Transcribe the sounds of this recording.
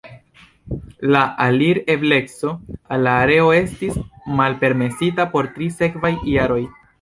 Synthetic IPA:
laʔaliɾe̞fle̞kso̞alːaːɾe̞o̞e̞stismalpe̞ɾme̞sitapo̞ɾtɾise̞kvajjaɾo̞j

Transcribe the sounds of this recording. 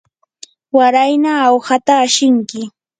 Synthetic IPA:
waɾajnaːwhat̪aːʃɪŋkɪ

